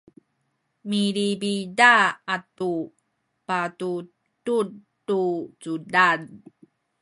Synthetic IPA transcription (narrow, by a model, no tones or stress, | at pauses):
miɾibidaːtu | patu | tud | tut͡sudad